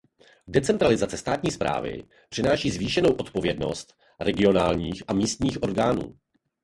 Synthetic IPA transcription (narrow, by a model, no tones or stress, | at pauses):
dɛt͡sɛnt̪ɾalɪzat͡sɛst̪aːt̪ɲiːspɾa̰ːvɪ̰ | pr̥ɪnaːʃiːzviːʃɛno̞wʔo̞t̪po̞vjɛdno̞̰st̪ | ɾɛɡɪo̞naːlɲiːxʔamiːst̪ɲiːxʔo̞ɾɡaːnṵː